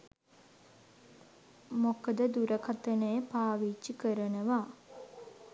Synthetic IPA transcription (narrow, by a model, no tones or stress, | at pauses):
mokəd̪əd̪uɾəkʰat̪ənəjəpaːʋit͡ʃːikəɾənəʋa